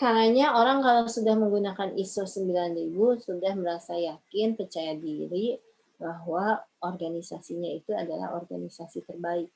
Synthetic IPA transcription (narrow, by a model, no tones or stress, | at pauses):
kaɾaɲaoɾaŋkalawsudahməŋɡunakanisosəmbilanribusudahməɾasajakɪnpərt͡ʃajadiɾi | baɦwaɔrɡanisasiɲait̪uadala̰ɦɔ̰rɡanisasit̪ərbaɪk̚